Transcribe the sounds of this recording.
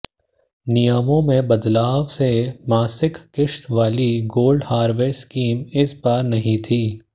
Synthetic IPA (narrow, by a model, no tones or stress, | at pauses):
nɪjəmõmẽbɐd̪laːʋsemaːsɪkkɪʃt̪ʋaːliɡoːlɖhaːɾʋeːskiːmɪsbaːɾnɐɦĩt̪ʰiː